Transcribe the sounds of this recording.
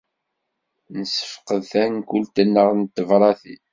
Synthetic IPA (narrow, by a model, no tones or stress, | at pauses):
nəsə̥fqəðθænkʷʊlt̪ənːəʁnt̪ːəvɾˤɑθḭ